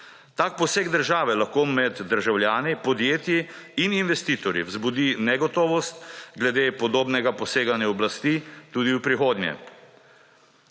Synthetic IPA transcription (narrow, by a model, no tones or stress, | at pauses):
t̪ak̚pɔseːɡd̪əɾʒaːʋɛlaxkoːmɛd̪ːəɾʒawljaːnipɔd̪jeːt̪jiininʋɛst̪iːt̪ɔɾjḭwzbud̪inɛɡɔt̪ɔːʋɔst̪ɡlɛd̪eːpɔd̪oːbnɛɡapɔseːɡanjaɔblast̪it̪uːd̪iwpɾixoːd̪njɛ̰